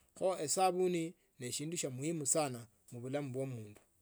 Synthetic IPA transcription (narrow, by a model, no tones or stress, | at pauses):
xoesaβuni | ne̞ʃiːnduʃamwimusana | muβulamuβwo̞muːndu̥